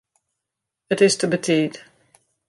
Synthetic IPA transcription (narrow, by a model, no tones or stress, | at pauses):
ətɪstʰəbətʰiːd